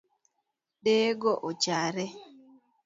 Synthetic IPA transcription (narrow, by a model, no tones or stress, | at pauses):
ɗeːɡɔʔot͡ʃaɾɛ